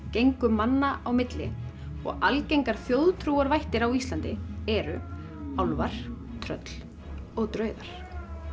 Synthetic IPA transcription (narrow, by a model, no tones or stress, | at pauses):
cejŋkʏmanːaʔawmɪt̪lɪ̰ | ɔ̰ɣalcejŋkaɾ̥fjoːwðt̪ʰɾuːaɾvajht̪ɪɾawist̪lant̪ɪɛɾʏ | awlvaɾ̥ | t̪ʰɾœ̰t̪l̥ | ɔɣt̪ɾœːɥðaɾ̥